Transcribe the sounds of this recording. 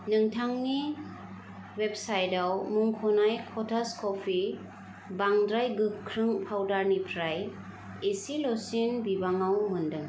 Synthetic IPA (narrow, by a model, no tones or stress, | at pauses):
nɯŋtʰaŋni | wepsajdawmuŋkʰɔnajkʰɔtʰaskʰɔpʰi | baŋdɾajɡɯkʰɾɯŋpʰawdaɾnipʰɾaj | esilɔsinbibaŋawmɯndɯŋ